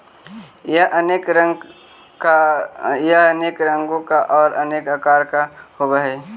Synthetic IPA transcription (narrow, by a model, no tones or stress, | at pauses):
jaʔəneːkɾə̃ŋ | kajaneːkɾə̃ŋɡõkaʔɔːɾəneːkakaːɾkahoːɡaɦɛ